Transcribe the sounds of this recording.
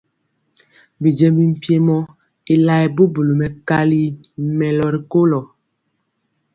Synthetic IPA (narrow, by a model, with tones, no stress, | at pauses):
bi˨d͡ʒɛ˦bi˨m̩˨pje˦mɔ˦ | i˦la˦ɛ˨bu˦bu˨lu˨mɛ˨ka˦li˦ | mɛ˨lɔ˨ɾi˨ko˦lɔ˨